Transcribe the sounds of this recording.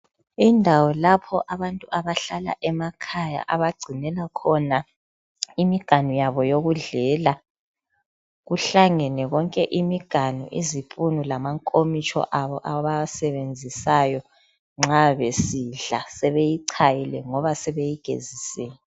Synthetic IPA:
indʱawɔlapʰɔʔaβantʼuʔaβaɬala̰ʔɛmakʰaja̰ʔaβaɡ͡ǀʱinɛlakʰɔna | imiɡ̥ʱanujaβɔjoɣuɮɛːla | ɣuɬaŋɛnɛɣɔŋkʼɛʔimiɡ̥ʱanṵʔḭzipʼunulamaŋkʼomit͡ʃʼʰɔ̰ʔaβɔʔaβasɛβend͡zʱisajɔ | ŋ͡ǁaβesiɮa̰sɛβejiǀʰajilɛŋɔβasɛβejiɡ̥ʱḛzisɛːjɛ

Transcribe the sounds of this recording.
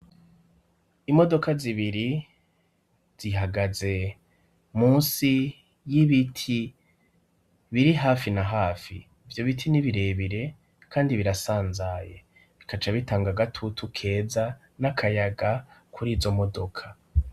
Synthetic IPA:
imo̞do̞kaziβiɾi | z̥iɦaɡaze̞ | muːnsi | jiβitʰi | βiɾiɦaːfinaɦaːfḭː | vjo̞βitʰiniβiɾe̞ːβiɾe̞ | kʰaːndiβiɾasaːnzajḛ | βikʰat͡ʃaβitaːŋɡaɡatʰutʰukʰe̞ːza | nakʰajaɡakʰuɾiːzo̞mo̞do̞kʰḁ

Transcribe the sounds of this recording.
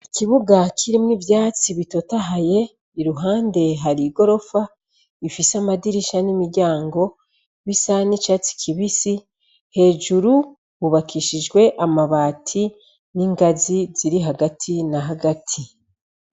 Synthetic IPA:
iciβuɡacʰiɾimwivjaːt͡siβitotaɦaje̞ | iɾuɦaːnde̞ɦaɾiɡo̞ɾo̞fa | ifisamadiɾiʃanimiɾɟaːŋɡo̞ | βisanit͡ʃat͡si̥cʰiβisi | he̞ːʒuɾu | βuβakiʃiʒɡwe̞ʔamaβaːtʰi | niːŋɡaziz̥iɾiɦaɡatʰinaɦaɡatʰi

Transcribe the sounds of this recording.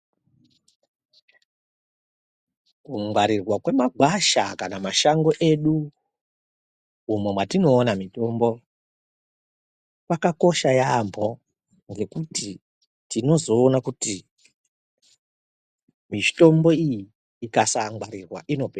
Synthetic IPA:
kuŋwaɾirwakwe̞maɡʱwaʃakanamaʃaŋɡo̞ʔe̞ɗu | umwe̞mwatino̞ːnamito̞mbo̞ | pakako̞ʃajambʱo̞ | ŋɡe̞kuti | tino̞zo̞ːnakuti | mito̞mbo̞ijiː | kasaŋɡwaɾirwa̰ʔino̞peː

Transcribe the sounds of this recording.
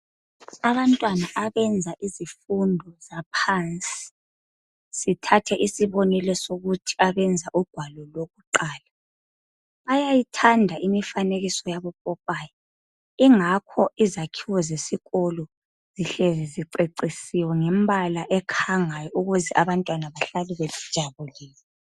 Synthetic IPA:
aβantʼwanaʔaβɛnd͡zʱaʔizifundʱɔzapʰant͡sʼi̥ | sitʰatʰɛʔisiβɔnɛlɛsoɣutʰi̥aβɛnd͡zʱaʔuɡ̥ʱwalɔloɣuǃaːla | βajajitʰandʱaʔimifaneɣisɔjaβɔpʼɔpʼaːjɔ | iŋakʰɔʔizakʰiwɔzesiɣɔlɔ | z̥iɬɛzɛziǀeǀisiwɛŋɛmbʱalaʔɛkʰaŋajɔuɣuzɛʔaβantʼwanaβaɬaliβeli̥d̥ʒ̥ʱaβuliːlɔ

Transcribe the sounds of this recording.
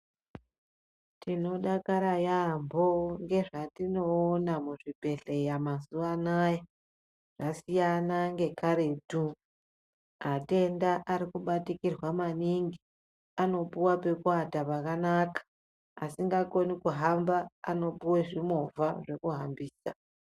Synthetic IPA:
tino̞ɗakaɾajambo̞ŋɡe̞ʐatino̞ːnamuʐipe̞ɬejamazuanaːja | ʐ̥asijanaŋɡe̞kaɾe̞du | ate̞ndaʔaɾikuɓatikirwamaniŋɡi | ano̞puwape̞kuwatapakanakḁː | siŋɡako̞nikuɦambaːno̞puweʐimo̞vʱaʐe̞kuɦambiːsa̰

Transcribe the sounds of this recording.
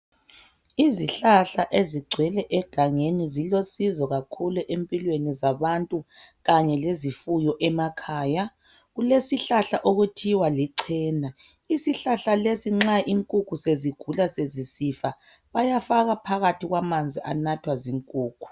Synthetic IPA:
iziɬaɬaʔeziɡ͡ǀʱwɛlɛʔɛɡ̥ʱaŋenizilosizɔɣakʰuluʔempʼilwenizaβantʼuɣaɲɛlezifujɔʔɛmakʰaːja | ɣulesiɬaɬaʔoɣutʰiwaliǀʰɛːna | isiɬaɬalesiŋ͡ǁaʔiŋkʼukʰuseziɡ̥ʱulasezisifa | βajafaɣapʰaɣatʰiɣwamand͡zʱiʔa̰natʰwaziŋkʼuːkʰu̥

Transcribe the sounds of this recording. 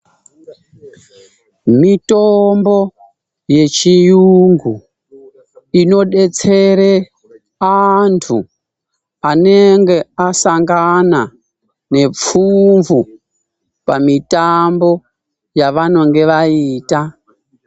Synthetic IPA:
mitombo̞ | je̞t͡ʃijuŋɡu | ino̞ɗet͡se̞ɾe | antʰu | ane̞ŋɡe̞asaŋɡana | ne̞p͡fuɱvu | pamitambo̞ | jaʋano̞ŋɡe̞ʋaiːta

